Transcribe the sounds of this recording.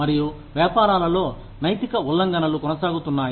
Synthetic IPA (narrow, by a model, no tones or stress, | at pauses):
mɐɾiju | ʋjaːpaːɾaːlɐlo̞ː | nɐjt̪ikɐulːɐŋɡɐnɐlukɔnɐsaːɡut̪unːaːj